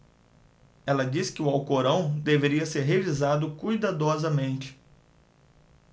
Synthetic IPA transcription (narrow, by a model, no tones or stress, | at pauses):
ɛlɐd͡ʒiskɪʊawkoɾɐ̃w̃d̪eveɾiɐseɾɦevizad̪ʊkujd̪ad̪ɔzɐmẽnt͡ʃɪ̥